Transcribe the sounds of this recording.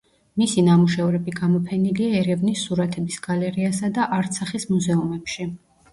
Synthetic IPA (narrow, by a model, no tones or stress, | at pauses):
misinamuʃɛvɾɛbiɡamɔpʰɛniliaɛɾɛvnisːuɾat̪ʰɛbisɡ̥alɛɾiasad̪aʔaɾt̪sʰaχismuzɛumɛpʃi